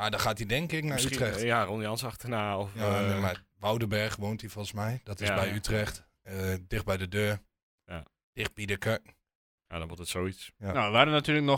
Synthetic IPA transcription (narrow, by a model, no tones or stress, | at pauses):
madɔxaːtidɛŋkɪknaytrɛxjaronjɔnsɑxtənaːɔfjamaʋawdəbɛrxʋoːntifɔlˠsmɛjdɔtɪsbɛjytrɛxt | ədɪxt̚bɛjdədøːɹ | j | d̥ɪxt̚bidəkœkŋ̩ | adɔ̃nʋɔtətsoːisjanaəʋaːdənatyːləknɔ